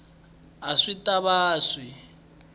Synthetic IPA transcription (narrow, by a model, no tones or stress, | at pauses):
aʂitʼaβaːswi